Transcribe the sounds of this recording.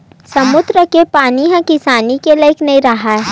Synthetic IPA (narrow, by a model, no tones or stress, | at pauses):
sɐmʊd̪ɾəkepaːniɦãkɪsaːnikelɐɪknɐĩɾɐɦaɛ